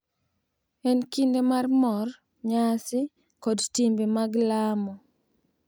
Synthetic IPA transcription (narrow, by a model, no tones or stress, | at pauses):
ɛnkindemarmɔr | ɲasɪ | kɔdtimbemaɡlamɔ